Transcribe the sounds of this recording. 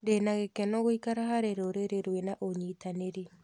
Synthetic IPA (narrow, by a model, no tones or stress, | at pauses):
denaɣekɛnɔɣoikaɾaɦaɾeɾoɾeɾeɾwenaʔoɲitaneɾi